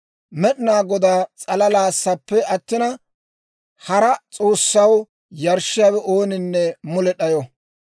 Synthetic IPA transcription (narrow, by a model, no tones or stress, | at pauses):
mɛɗɪnaːɡɔd̪aːt͡sʼɐlɐlaːsːɐpːɛʔɐt̪ːɪnɐ | hɐɾɐt͡sʼo̞ːsːɐw | jɐɾʃɪjaːwɛʔoːnɪnːɛmʊlɛɗɐjɔ